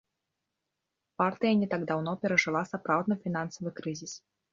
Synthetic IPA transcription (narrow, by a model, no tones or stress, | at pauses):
part̪ɨjɐnʲɛt̪aɡd̪awnɔpʲɛɾɐʐɨlˠasapɾawd̪nɐfʲinansɐvɨkɾɨzʲis